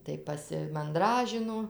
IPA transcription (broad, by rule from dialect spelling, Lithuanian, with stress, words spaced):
ˈtɐɪ pɐsʲɪmɐnˈdrɑːʒʲɪnoː